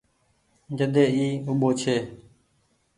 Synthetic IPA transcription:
d͡ʒəd̪eːiːʊɓoːt͡ʃʰeː

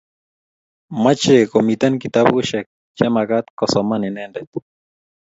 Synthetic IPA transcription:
mat͡ʃekomit̪ankit̪aβuʃek̚ | t͡ʃemakat̪kosomaninendet̪

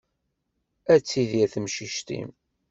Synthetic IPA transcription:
æt͡sːiðjæθmʃiʃt̪ḭm

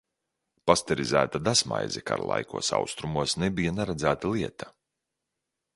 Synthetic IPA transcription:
past̪ɛɾizæ̰ːt̪ad̪asma̰jzʲɛka̰ɾlˠa̰jkuɔsa̰wst̪ɾumuɔsnɛbijanaɾad̪zæːt̪alˠiɛt̪ḁ

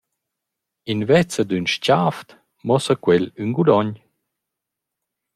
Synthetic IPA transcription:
invɛt͡səd̪ynʃcaft̪ | mɔsəkwɛlynɡud̪ɔɲ

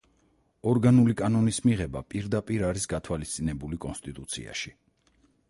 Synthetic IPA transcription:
ɔɾɡanulikʼanɔnismiʁɛba̰pʼiɾd̪apʼiɾaɾisɡat̪ʰwalist̪sʼinɛbulikʼɔnst̪ʼit̪ʼut̪sʰḭa̰ʃi

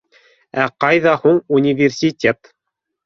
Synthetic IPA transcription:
æqɑjðɑhuɴunʲɪvʲɪrsʲitʲet̪

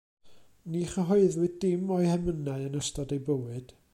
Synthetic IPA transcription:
niχəɦɔɨðwɨdɪmɔɨhɛmənaɨənəstɔdejbəwɨd̥

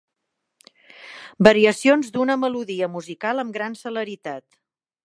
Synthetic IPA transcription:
bəɾiəsionzd̪unəməluðiəmuzikalˠəmɡɾansələɾit̪at̪

